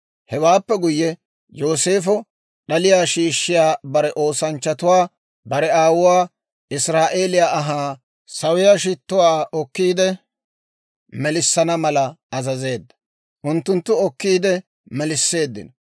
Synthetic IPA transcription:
hɛwaːpːɛɡʊjːɛ | jo̞ːse̞ːfɔ | ɗɐlɪjaːʃiːʃːɪjaːbɐɾɛʔo̞ːsɐnt͡ʃːɐt̪ʊwaː | bɐɾɛaːwʊwaː | ɪsɾaːʔeːlɪjaːʔɐɦaː | sɐwɪjaːʃ̬ɪt̪ːʊwaːʔɔkːiːd̪ɛ | mɛlɪsːɐnɐmɐlɐɐzɐze̞ːd̪ːɐ̥ | ʔʊnt̪ːʊnt̪ːʊɔkːiːd̪ɛ | mɛlɪsːe̞ːd̪ːɪ̰nɔ

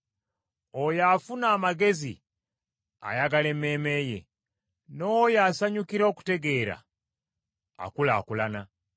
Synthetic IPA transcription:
ojafunaːmaɡe̞zḭ | a̰jaɡale̞me̞ːme̞ːje̞̰ | nowojaːsaɲukiɾo̞ːku̥te̞ɡe̞ɾa̰ | kula̰ːkulana

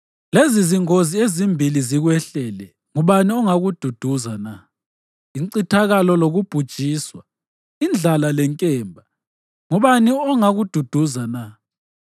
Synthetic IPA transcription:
leziziŋoziezimbʱiliziɣwɛɬɛlɛ | ŋuβaniɔŋaɣud̥ʱud̥ʱuzana | iǀitʰaɣalɔloɣub̥ʱud̥ʒ̥ʼʱiːswa | ind͡ɮʱalalɛŋkʼɛːmbʱa | ŋuβaniɔŋaɣud̥ʱud̥ʱuzana

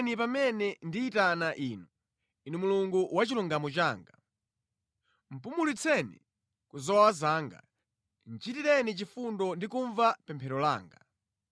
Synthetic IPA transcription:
nip̬amɛnɛndiːtanaʔiːnu | inɛmuluŋɡuwat͡ʃiluŋɡamɔt͡ʃaːŋɡa | m̩pumulit͡sʰɛnḭ | kuzɔwazaːŋɡa̰ | n̩t͡ʃitiɾɛnit͡ʃifundɔndikuɱvapɛmpʰɛɾɔla̰ːŋɡa

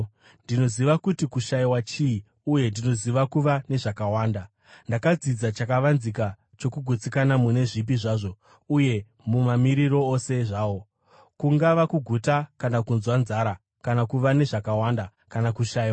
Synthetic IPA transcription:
ndino̞ziʋakutikuʃaiwat͡ʃii | uje̞ndino̞ziʋakuʋane̞ʐakawaːnda | ndakad͡zid͡zat͡ʃakaʋanzik̬a | t͡ʃo̞kuɡʱut͡sikanamune̞ʐip̬iʐaːʐo̞ | uje̞ | mumamiɾiɾo̞ose̞ʐaːwo̞ | kuŋɡaʋakuɡʱutakanakunzwanzaɾa | kanakuʋane̞ʐakawanda | kanakuʃaːiwa

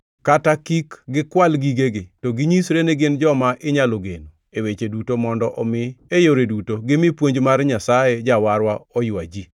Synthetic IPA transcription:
katakikɡɪkwalɡiɡeɡɪtoɡɪɲisɾeneɡɪnd͡ʒɔmaʔɪɲaloɡḛnu | ewet͡ʃedutomɔndɔʔɔmɪejoɾedutoɡɪmɪpwoɲd͡ʒmarɲasajed͡ʒawaɾwaɔjwa̰d͡ʒi

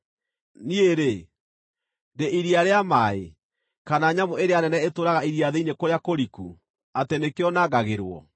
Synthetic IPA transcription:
nieɾe | ndeʔiɾiaɾeamae | kanaɲamoeɾeanɛnɛetoɾaɣaiɾiaðeinekoɾejakoɾikṵ | atenekejɔnaɡaɣeɾwɔ̰

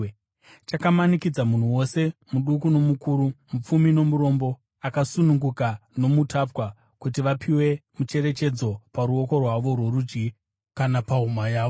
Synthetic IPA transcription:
t͡ʃakamanikid͡zamun̤uwo̞se̞muɗukuno̞mukuɾumup͡fumino̞muɾo̞mbo̞ | akasunuŋɡukano̞mutapwa | kut̬iʋapʰiwe̞mut͡ʃe̞ɾe̞t͡ʃe̞d͡zo̞paɾuo̞ko̞rwaʋo̞rwe̞ɾud͡ʒɡi | kanapaumajaːʋ

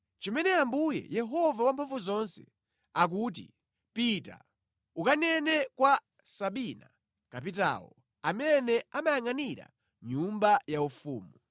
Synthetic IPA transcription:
t͡ʃɔmɛnɛambujɛ̰jɛɦɔvawampʰaɱvuzɔnsɛ | ak̬ut̬ḭ | pita̰ | ukanɛnɛkwa | saɓina̰ | kap̬ita̰wɔ̰ | amɛnɛamajaŋaniɾa̰ | ɲumbajaufuːmu

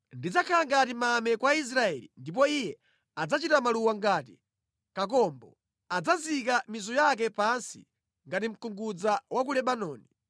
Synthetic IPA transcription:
ndid͡zakʰalaŋɡatimamɛkwais̬ɾaɛlḭndip̬ɔijɛ | ad͡zat͡ʃitamaluwaŋɡaːt̬i | kak̬ɔmbɔ | ad͡zazikamizɔjak̬ɛpansḭ | ŋɡatim̩kuŋɡud͡zawak̬ulɛɓanɔːni

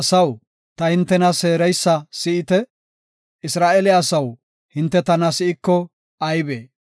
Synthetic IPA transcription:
ɐsɐw | t̪ɐhɪnt̪ːɛnɐse̞ːɾɛjsːɐsɪɪt̪ɛ | ɪsɾaːʔɛlɛɐsɐw | hɪnt̪ːɛt̪ɐnɐsɪɪkːɔ | ɐjbeː

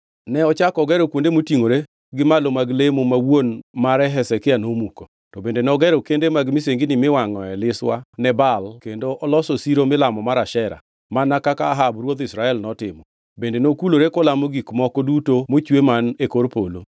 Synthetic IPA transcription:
nɛɔt͡ʃakɔɡɛɾɔkwondemotiŋoɾe | ɡɪmalomaɡlemomawonmaɾɛɦɛsɛkɪanomuko | tɔbendenɛɔɡɛɾɔkendemaɡmɪs̬eŋɡɪnɪmɪwaŋɔɛlɪswanɛbalkendoʔɔlɔsosiɾomɪlamɔmaɾaʃɛɾa̰ | manakakaːɦabɾwod̪ɪsɾaɛlnɔtɪmɔ | bendenokuloɾekɔlamoɡikmɔkɔdutomot͡ʃwemanekoɾpolo

